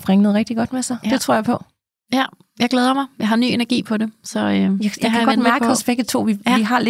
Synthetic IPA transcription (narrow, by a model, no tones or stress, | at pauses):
pʁɛŋənəðˠʁɛɡ̥̚d̥iɡ̥ɒ̽d̥mesɑ̈ɪd̥e̝t͡sʰʁo̝ɐ̰jɪpʰɒ̽ | jæ | jɑ̈ɪɡleːðˠɐmɑ̈ɪjɑ̈ɦɑ̈ny̰ːenɐɡ̥ḭːpʰɒ̽de̝sɒ̽øjajakʰæɡɒ̽d̥mæɐɡəɒsb̥eɡ̥ət͡sʰo̝̰ːʋiiɦɑ̈le̥